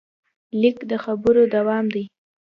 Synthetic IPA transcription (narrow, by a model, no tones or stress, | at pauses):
likd̪əxabəɾod̪awɑmd̪aj